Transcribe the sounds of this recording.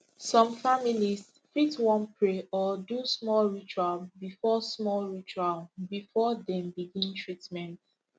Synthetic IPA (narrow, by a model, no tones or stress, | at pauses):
sɔ̃mfamilis | fitwɔ̃npɹeɔdusmɔlɹit͡ʃualbifɔsmɔlɹit͡ʃualbifɔdɛ̃mbiɡĩntɹitmɛ̃nt